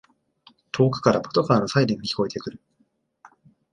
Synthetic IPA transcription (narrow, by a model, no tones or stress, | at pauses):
t̪ʰo̞ːkɯ̟̥kaɾabot̪o̞kaɾanosaiɾẽɲːikʲi̥ko̞et̪e̞kɯ̟ɾɯ̟